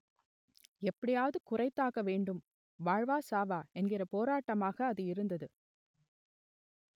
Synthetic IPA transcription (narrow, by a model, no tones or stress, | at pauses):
ɛpːɐɽɪjaːʋɐðɯkʊrɐɪt̪ːaːɣɐʋeːɳɖɯm | ʋaːɻʋaːsaːʋaːɛnɡɪrɐpoːɾaːʈːɐmaːɣɐːðɯɪɾɯnd̪ɐðɯ